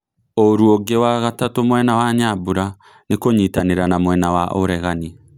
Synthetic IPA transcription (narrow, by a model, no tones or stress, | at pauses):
oɾuoɡewaɣatatomwɛnawaɲabuɾa | nekoɲitaneɾanamwɛnawaʔoɾɛɣani